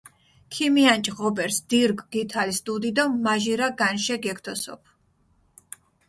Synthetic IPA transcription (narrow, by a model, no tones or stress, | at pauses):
kʰimiant͡ʃʼʁɔbɛɾsd̪̥iɾɡɡit̪ʰalisd̪ud̪id̪ɔmaʒiɾaɡanʃɛɡɛk̚ʰt̪ʰɔsɔ̰pʰ